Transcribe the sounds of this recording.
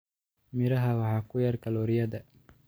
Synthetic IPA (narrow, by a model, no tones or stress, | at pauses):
mɪɾɐɦɐwɑħɑːkʰʊjɐrkʰɐlɔːɾɪjɐðɐ